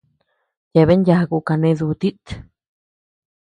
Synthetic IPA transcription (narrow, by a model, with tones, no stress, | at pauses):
ja˧˨βe˦ɲja˧ɡu˧ka˧ne˧zu˧t̪i˦t̪